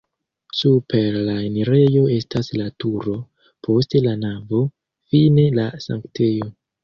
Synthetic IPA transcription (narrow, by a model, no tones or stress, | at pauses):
supʰe̞ɾlaeniɾe̞jo̞e̞staslatuɾo̞ | pʰo̞ste̞lanavo̞ | fine̞lasa̰ŋktʰe̞jo̞